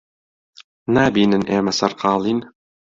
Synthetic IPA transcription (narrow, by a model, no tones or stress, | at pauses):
nabinɘ̆nʔemæsɑrqʰɑːlˠin